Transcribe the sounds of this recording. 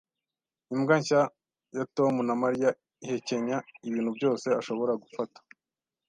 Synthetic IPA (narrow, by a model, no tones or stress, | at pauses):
imɡaɲʃa | jatomunamaɾija | ihe̞ce̞ɲaiβiːn̥hubɟo̞ːse̞aʃo̞βo̞ɾaɡufatḁ